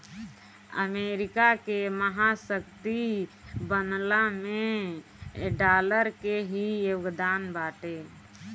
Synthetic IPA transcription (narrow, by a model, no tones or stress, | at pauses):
ə̰meːɾɪkakeməɦasəkt̪ibənlamẽ | ɖaːləɾkeɦijoɡd̪aːnbaːʈe